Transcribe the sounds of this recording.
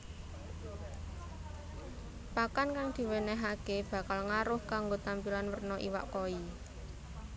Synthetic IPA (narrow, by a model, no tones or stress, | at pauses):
pakankaŋd̪̥i̤wenɛɦakeb̥a̤kalŋaɾʊhkaŋɡot̪ampilanwərnɔʔḭwa̰ʔkoi